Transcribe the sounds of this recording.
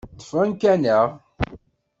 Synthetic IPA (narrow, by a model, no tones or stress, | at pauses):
θə̥fænkænəʁ